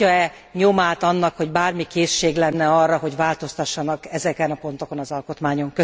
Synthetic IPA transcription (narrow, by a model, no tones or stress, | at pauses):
ɒɛ | ɲo̞maːt̪ɒnːɒkho̞ɟbaːrmikeːʃːeːɡlɛnːɛɒrːɒɦo̞ɟvaːlt̪o̞st̪ɒʃːɒnɒkɛzɛkɛnɒpo̞nt̪o̞ko̞nɒzɒlkot̪maːɲo̞ŋkø